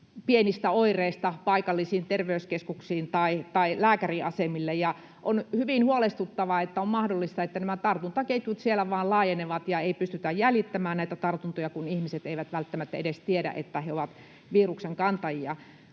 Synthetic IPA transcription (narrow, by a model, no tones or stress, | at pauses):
pienist̪æoireist̪ɑpɑikɑlːisiːnt̪erʋeyskeskuksiːnt̪ɑit̪ɑilæːkæriʔɑsemilːejɑ | ʔonhyʋinhuolest̪ut̪ːɑʋɑet̪ːæommɑhdolːist̪ɑet̪ːænæmæt̪ɑrt̪unt̪ɑkeit̪ːˑut̪sielæʋɑːlɑːjeneʋɑt̪jɑeipyst̪yt̪æjjælit̪ːæmæːnnæit̪æt̪ɑrt̪unt̪ojɑkunihmiset̪eiʋæt̪ʋælt̪ːæmæt̪ːæedest̪iedæ̰ʔḛt̪ːæheoʋɑt̪ | ʋiːrukseŋkɑnt̪ɑjiɑ